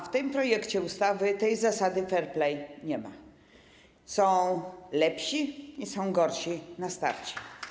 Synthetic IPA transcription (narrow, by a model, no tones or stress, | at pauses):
ft̪ɘmpɾɔjɛkt͡ɕɛust̪avɘt̪ɛjzasad̪ɘfɛɾplɛjɲɛma̰ | sɔ̃w̃lɛpɕiisɔ̃w̃ɡɔɾɕinast̪a̰ɾt͡ɕɛ̥